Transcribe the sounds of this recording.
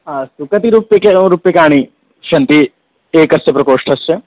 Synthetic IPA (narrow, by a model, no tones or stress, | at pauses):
asukɐt̪iɾuːpjɐkeɾuːpjɐkaːɽ̃i | ʃɐnt̪i | eːkɐst̪epɾɐkoːʂʈʰɐst͡ʃe